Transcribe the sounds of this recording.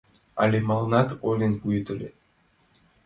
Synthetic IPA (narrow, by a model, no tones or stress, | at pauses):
ɑ̰lʲemɑlˠnɑt̪olʲenpujt̪ɤ̆lʲe